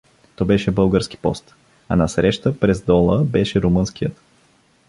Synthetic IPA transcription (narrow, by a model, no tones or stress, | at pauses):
t̪ɔbɛʃɛbɤlˠɡəɾski̥pɔ̰st̪ | ɐ̰nɐsɾɛʃt̪əpɾɛzd̪ɔlˠəbɛʃɛɾumɤnskijət̪